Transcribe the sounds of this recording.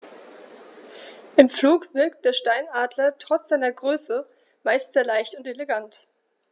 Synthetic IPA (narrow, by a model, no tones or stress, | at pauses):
ʔɪmfluːkv̥ɪɐk̚t̚d̥eːɐʃtaɪnaːdlɐtʁ̥ɔt͡sz̥aɪnɐɡʁøːsə | maɪstz̥eːɐlaɪçtʊnteleɡant